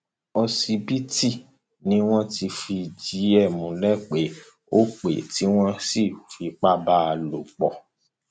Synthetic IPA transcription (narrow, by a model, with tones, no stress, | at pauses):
ɔ˧si˧bi˦ti˦˨ | nĩ˦w̃ɔ̃˦ti˧fi˧˨d͡ʒi˨˦ɛ˦˨mũ˨lɛ˦˨k͡pe˨˦ | o˦k͡pḛ˨ti˨˦w̃ɔ̃˦si˦˨fi˧k͡pa˦ba˦a˧lo˨k͡pɔ˨